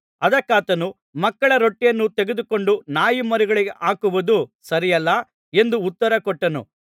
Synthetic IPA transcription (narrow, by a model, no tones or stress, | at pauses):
ɐd̪ɐkːaːt̪ɐnu | mɐkːɐɭɐɾoʈːijɐnːut̪eɡed̪uko̞ɳɖunaːjimɐɾiɡɐɭiɡeʔaːkuʋud̪usɐɾijɐlːɐ | e̞nd̪uːt̪ːɐɾɐkɔʈːɐnṵ